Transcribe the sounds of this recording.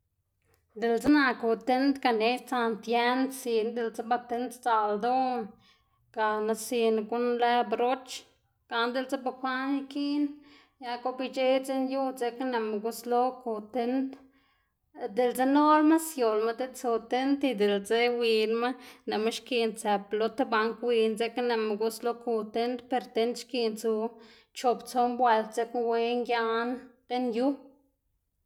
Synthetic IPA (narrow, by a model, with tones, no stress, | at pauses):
d̪e˨lt͡se˦na˧ko˧˨t̪e˦nt̪ka˨ne˨˦t͡sa˧nt̪je˦nsi˧nd̪e˧lze˦ba˧t̪e˦nt̪t͡sa˨ld̪o˦ | ka˨na˧si˧nɡu˦nle˦bɾo˦t͡ʃ | ka˨nd̪e˧lt͡se˦ba˧kʷa˦n˦ki˦n | ja˧ko˧bi˧t͡ʃe˦t͡se˦nju˦t͡se˧kne˧˨ma˨ɡu˧slo˦ko˧˨t̪e˧nt̪ | d̪e˨lt͡se˧no˦lma˦sjo˨lma˧d̪e˦t͡su˧t̪e˦nt̪i˧d̪e˨lt͡se˧wi˧nma˦ne˨ma˦ʃki˧nt͡se˨plo˧t̪e˦ba˧ŋkwi˧nt͡se˧kne˧me˨ɡu˧slo˦ku˧t̪e˦nt̪pe˧ɾt̪e˧˦nt̪ʃki˧nt͡su˧ | t͡ʃo˧pt͡so˧mbwe˧˨lt̪t͡se˧kwe˧ŋɡja˦nt̪e˦nju˦